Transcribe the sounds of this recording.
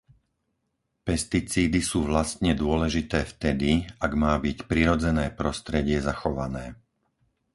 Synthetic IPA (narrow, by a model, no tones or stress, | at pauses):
pɛst̪it͡siːd̪isuːʋlast̪ɲɛd̪ʊɔlɛʒit̪ɛːft̪ɛd̪iaɡmaːbicpɾiɾɔd͡zɛnɛːpɾɔst̪ɾɛɟɪɛzaxɔʋanɛː